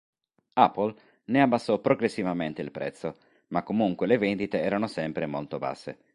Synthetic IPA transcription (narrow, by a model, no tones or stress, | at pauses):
apːol | neabːasːɔpɾoɡɾesːivament̪eilpɾɛ̰t̪sːo | makːomuŋkwelevend̪it̪eɛːɾanosɛmpɾemolt̪oba̰sːḛ